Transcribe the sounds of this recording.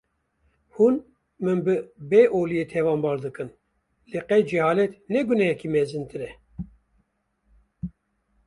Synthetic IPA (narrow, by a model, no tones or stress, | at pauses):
hun | mɨnbɨbeʔoːlijeːt̪ʰɛvɑːmbɑːɾd̪ɨkɨn | leqɛjd͡ʒɛhɑːlɛt̪nɛɡunɛjɛkimɛzɨnt̪ɨɾɛ